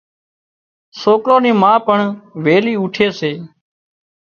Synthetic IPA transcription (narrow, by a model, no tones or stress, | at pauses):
soːkɾoːnĩːmãːpəɳʋeːliːʊʈʰeːseː